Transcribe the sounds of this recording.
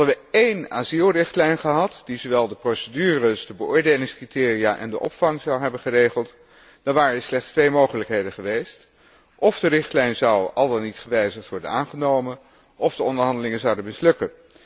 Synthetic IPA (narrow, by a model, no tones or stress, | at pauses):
ɦɑdəʋəejnaːzilˠrɪχtlɛjnχəɦɑtdizoʋɛlˠdəprowsədyːrəsdəbəʔʊːɹdejlɪŋskritɪːrijaʔɛ̰ndəʔɔ̰pfɑŋzɑwɦɛbənχərejχəlˠt | d̥ɑnʋaːrəəslɛχtstʋejmowχələkɦejdəχəʋejst | ʔɔvdərɪχtlɛjnzɑwɑlˠdɑnːitχəʋɛjzəχtʋɔɹdə̰naːnχənowmən | ʔɔfdəɔndəɹɦɑndəlɪŋənzɑwdənmɪslɵkən